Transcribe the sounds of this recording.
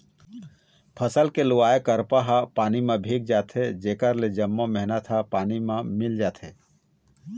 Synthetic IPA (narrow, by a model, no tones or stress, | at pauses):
pʰəsəlkelʊʋaːekəɾpaɦapaːnimẽbʱiːk̚d͡ʒaːt̪ʰed͡ʒeːkəɾled͡ʒəmːomɛɦnət̪ʰɦapaːnimẽmɪld͡ʒaːt̪ʰeː